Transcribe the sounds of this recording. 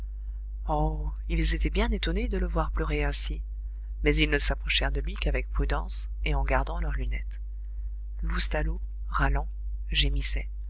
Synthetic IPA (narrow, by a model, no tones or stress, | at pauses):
ɔ | ilzet̪ɛbjɛ̃net̪ɔned̪ələvwaʁplœʁeɛ̃si | mɛzilnəsapχɔʃɛʁd̪əlɥikavɛk̚pχyd̪ɑ̃s | eɑ̃ɡaʁd̪ɑ̃lœʁlynɛt̪ | lust̪alo | ʁalɑ̃ | ʒemisɛ